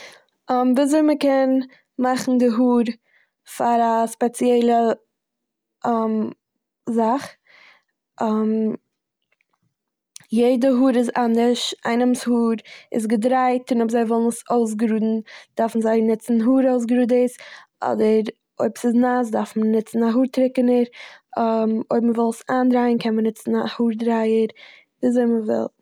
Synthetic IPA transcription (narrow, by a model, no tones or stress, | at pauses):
ɔmviːzoɪməkɛn | maχn̩dɪɦuːɾ | faɾaspɛt͡sjɛɪlˠə | m | zaχ | am | jeɪdəɦuːɾɪzanɪʃa̰ɪnəmshuːɾɪ̰sɡədɾaɪtɪnɔbzaɪvɪlˠnəsoʊs̬ɡɾuːdn̩d̥aɾfn̩zaɪnɪt͡sn̩ɦuːɾoʊs̬ɡɾuːdəsɔ̰dəɾ | oɪbsɪznas̬daɾfmənɪt͡sn̩aɦuːɾtɾɪkənəɾ | moɪbməvɪlˠsaːndɾaɪənkʰɛnmənɪt͡sn̩ahuːɾdɾaɪəɾ | viːzoɪməvɪ̰lˠ